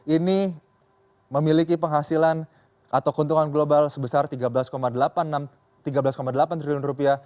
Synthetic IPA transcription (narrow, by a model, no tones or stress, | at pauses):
ini | məmilikipəŋɦasilan | ʔat̪awkunt̪uŋanɡlobalsəbəsart̪iɡablaskomadəlapanːam | t̪iɡabəlaskomadəlapant̪ɾiliʊnrupiah